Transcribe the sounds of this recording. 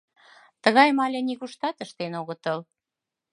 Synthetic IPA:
t̪əɣɑjmɑlʲeniɣuʃt̪ɑt̪əʃt̪enoɣə̆t̪əl

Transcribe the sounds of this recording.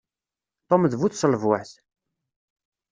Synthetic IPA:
t̪ˤomðvuθsəlvwæħθ

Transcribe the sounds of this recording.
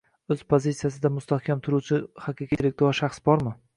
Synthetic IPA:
ɵz̥pʰozit̪sijas̬ɪd̪amʊst̪ahkʲʰamt̪ʰʊɾuwt͡ʃʰɪhɑqʰiqʰʲilek̚ʲt̪oaʃaχsbɒɾmɪ

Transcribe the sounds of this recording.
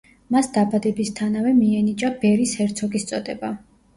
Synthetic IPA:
masd̪abad̪ɛbist̪ʰanavɛmiɛnit͡ʃʼabɛɾishɛɾt̪sʰɔkʼist̪sʼɔd̪ɛba

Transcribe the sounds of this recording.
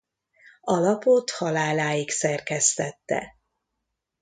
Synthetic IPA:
ɒlɒpot̪hɒlaːlaːjiksɛrkɛst̪ɛt̪ːɛ̰

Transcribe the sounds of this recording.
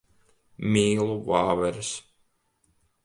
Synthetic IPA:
mʲiːlˠuvaːvɛɾs

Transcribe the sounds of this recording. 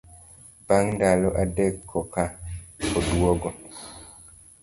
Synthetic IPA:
b̥aŋndalɔʔadɛkʰːɔkakoduɔɡɔ

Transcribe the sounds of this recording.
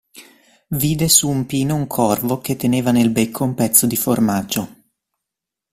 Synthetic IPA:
viːd̪esuːmpiːnouŋkʰɔrvok̟et̪ːeneːvanelbekʰːoumpɛt̪sːod̪iformad͡ʒo

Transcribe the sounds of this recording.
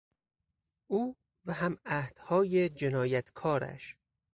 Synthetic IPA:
ʔuː | væhæmæhd̪̥hɒːjed͡ʒenɒːjæt̪ʰkʰɒːɾæ̰ʃ

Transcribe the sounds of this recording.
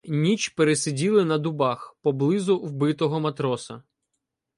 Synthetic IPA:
nʲit͡ʃpeɾesɪdʲilˠɪnɐd̪ʊbɑxpɔblˠɪzʊwbɪt̪ɔɦɔmɐt̪ɾɔsɐ

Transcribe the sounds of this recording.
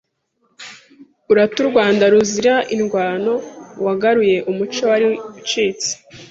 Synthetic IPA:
uɾatuɾɡwaːndaɾuziɾaʔinɡwaːno̞waɡaɾuje̞ʔumut͡ʃowaɾit͡ʃiːt͡si̥

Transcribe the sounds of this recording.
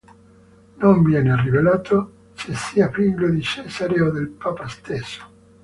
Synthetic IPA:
noɱvjɛːnerivelaːt̪o | sesːiapɾiŋɡlod̪it͡ʃɛsaɾeod̪elpapast̪esːo̥

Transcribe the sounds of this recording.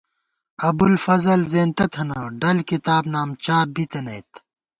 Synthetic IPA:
ɐbulfɐzɐlzeːnt̪ɐt̪ʰɐnɐɖɐlkit̪aːbnaːmt͡ɕaːbit̪ɐnɐːt̪

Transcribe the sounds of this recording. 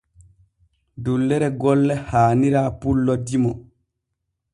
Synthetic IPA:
dulːɛɾɛɡɔlːɛhaːniɾaːpulːɔdimɔ

